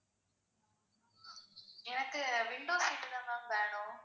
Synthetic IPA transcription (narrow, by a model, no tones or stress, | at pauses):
ɛnɐkːɯʋɪɳɖoːsiːʈːɯðɐ̃nd̪ãːnʋeːɳʊ̃